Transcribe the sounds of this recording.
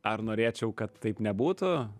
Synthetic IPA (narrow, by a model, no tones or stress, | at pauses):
ɐɾnoːɾʲeːt͡ʃʲɛʊkɐt̪ːɐɪpnʲɛbuːt̪ʊ